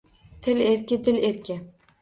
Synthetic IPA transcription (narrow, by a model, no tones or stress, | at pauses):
t̪ʰɪleɾkʲɪd̪ɪleɾkʲɪ